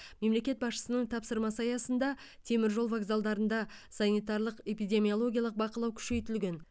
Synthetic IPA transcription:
me̞mle̞kʲe̞t̪̚bɑsʃə̥sənəɴt̪ʰɑpsəɾmɑsɑjɑsənd̪ɑ | t̪ʰe̞mɪɾʒo̞lˠvaɡzalˠd̪ɑɾənd̪ɑsɑnijt̪ɑɾlˠəqepijd̪ʲe̞mʲijolˠo̞ɡʲijɑlˠəq̚bɑqəlˠɑwkʲʰʏ̥ʃe̞jt̪ɪlɡʲe̞n

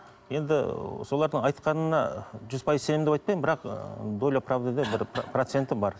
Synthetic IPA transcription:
je̞nd̪ɪ̰so̞lˠɑɾd̪əɴɑjt̪qɑnənɑʒʏzpʰɑjəzsenemd̪eɑjt̪pɑjmɪmbɪɾɑqd̪o̞lʲjapravd̪ed̪ebɪɾprot̪se̞nt̪ɪmbɑɾ

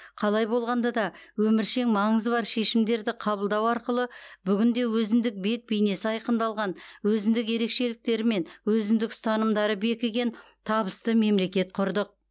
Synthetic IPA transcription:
qʰɑlˠɑjbo̞lˠʁɑnd̪ɑd̪ɑwɵmɪɾʃe̞ŋmɑɴəzbɑɾʃe̞ʃɪmd̪e̞ɾd̪ɪqʰɑbəlˠd̪ɑwɑɾqəlˠəbʏɡʲɪnd̪e̞wɵzɪnd̪ɪk̚be̞t̪̚bejne̞sɪɑjqənd̪ɑlˠʁɑnwɵzɪnd̪ɪk̬je̞ɾe̞kʃe̞lɪk̚t̪e̞ɾɪme̞nwɵzɪnd̪ɪksʊ̥t̪ɑnəmd̪ɑɾəbe̞kʲɪɡʲe̞n | t̪ʰɑbəst̪əme̞mle̞kʲe̞t̪̚qʰʊɾd̪əq̚

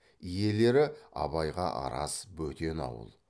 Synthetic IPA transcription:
ije̞le̞ɾɪɑ̰bɑjʁɑ̰ʔɑ̰ɾɑ̰sbɵt̪e̞nɑ̰wə̰lˠ

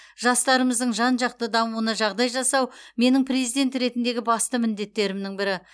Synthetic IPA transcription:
ʒɑst̪ɑɾəməzd̪əɴʒɑnʒɑq̚t̪əd̪ɑmuənəʒɑʁd̪ɑjʒɑsɑwme̞nɪŋprezijd̪e̞nt̪ɾe̞t̪ɪnd̪e̞ɡʲɪbɑst̪əmɪnd̪e̞t̪ːe̞ɾɪmnɪŋbɪɾɪ

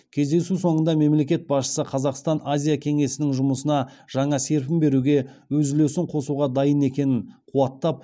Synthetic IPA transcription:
kʲʰe̞zd̪e̞suso̞ɴənd̪ɑme̞mle̞kʲe̞t̪̚bɑsʃə̥səqʰɑzɑqst̪ɑnazʲijakʲʰe̞ŋe̞sɪnɪŋʒʊməsənɑʒ̥ɑɴɑse̞ɾpɪmbe̞ɾuɡʲe̞wɵzɪle̞sɪɴqʰo̞suʁɑd̪ɑjəne̞kʲe̞nɪɴqʰuɑt̪ːɑp̚

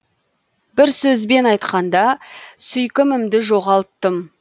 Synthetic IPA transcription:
bɪɾsɵzbe̞nɑjt̪qɑnd̪ɑsʏjkʲɪmɪmd̪ɪʒo̞ʁɑlˠt̪ːəm

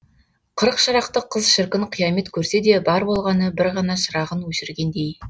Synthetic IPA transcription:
qʰəɾəqʃɑɾɑq̚t̪əqʰːəzʃɪɾkʲɪɴqʰijɑme̞t̪kʲʰɵɾse̞d̪e̞bɑɾbo̞lˠʁɑnəbɪɾʁɑnɑʃəɾɑʁənwɵʃɪɾɡʲe̞nd̪ej

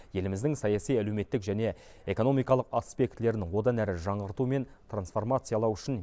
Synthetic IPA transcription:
je̞lɪmɪzd̪ɪŋsɑjɑsijælewme̞t̪ːɪkʒæne̞ | e̞ko̞nomijkɑlˠəqɑspʲe̞k̚t̪le̞ɾɪnwo̞d̪ɑnæɾɪʒɑɴʁəɾt̪ume̞nt̪ʰransfo̞rmat̪sɨjɑlˠɑwʏʃɪn

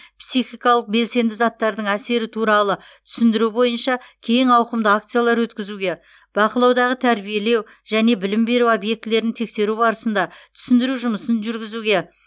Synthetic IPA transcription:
psiχijkɑlˠəq̚be̞lse̞nd̪ɪzɑt̪ːɑɾd̪əɴæse̞ɾɪt̪ʰuɾɑlˠə | t̪ʰʏ̥sɪnd̪ɪɾubo̞jənʃɑkʲʰe̞jɪŋɑwqəmd̪əak̚t̪sɨjalˠɑɾwɵt̪kʲɪzuɡʲe̞ | b̥ɑqəlˠɑwd̪ɑʁət̪ʰæɾbije̞le̞w | ʒ̥æne̞bɪlɪmbe̞ɾuobje̞k̚t̪ɪle̞ɾɪnt̪ʰe̞kse̞ɾubɑɾəsənd̪ɑt̪ʰʏ̥sɪnd̪ɪɾuʒʊməsənʒʏɾɡʲɪzuɡʲe̞

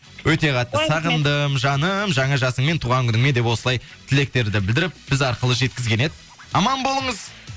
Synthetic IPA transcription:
wɵt̪e̞qʰɑt̪ːəsɑʁənd̪əmʒɑnəmʒɑɴɑʒɑsəŋme̞nt̪ʰuʁɑŋkʰʲʏnɪŋme̞nd̪e̞pwo̞səlˠɑj | t̪ʰɪle̞k̚t̪e̞ɾd̪ɪbɪld̪ɪɾɪp̚b̥ɪzɑɾqəlˠəʒe̞t̪̚kʲɪzɡʲe̞ne̞d̪ɪ | ɑmɑnbo̞lˠəɴəz

